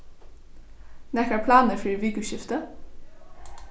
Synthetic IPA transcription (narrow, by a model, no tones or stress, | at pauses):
nɛkəɹpʰlɑːnəfiːʋɪːɡʉʃɪft̪ə